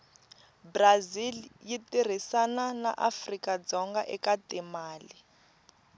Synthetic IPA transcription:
braziljitʼir̤isanana̰ʔafrikʼad͡zɔŋɡaʔɛkʼatɛmaːli

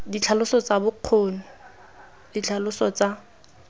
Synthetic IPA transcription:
dit͡ɬʰalʊsɔt͡sabʊq͡χʰoːn̩ | dit͡ɬʰalʊsɔt͡sa

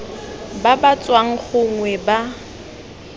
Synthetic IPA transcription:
babat͡sʼwaŋ̩χʊŋwɛba

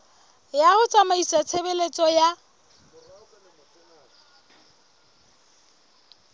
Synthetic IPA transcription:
jaɣʊt͡sʼamaisat͡sʰebelet͡sʼɔja

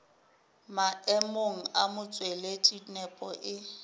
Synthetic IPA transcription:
maɛmoŋ̩amʊt͡sʼweletʼinɛpʼɔʔɪ

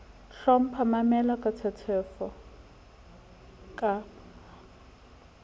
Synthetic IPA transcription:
ɬɔm̩pʰamamɛlakʼatʰɛtʰɛfɔ | kʼa

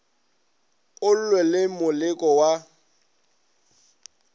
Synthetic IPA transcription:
ʊl̩lwɛlɪmʊlɪkʼɔwa

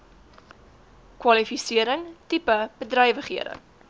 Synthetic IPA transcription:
kwɐlifisiəɾəŋtipəb̥ədrɐjvəχiəɾə̰ŋ

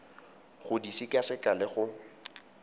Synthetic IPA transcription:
χʊdisikʼasɪkʼalɪχʊ

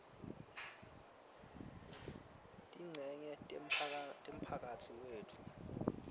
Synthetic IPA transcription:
tʼiŋ͡ǀʱɛɲɛtʼem̩pʰak̬ʼatʰiweːtʰu̥

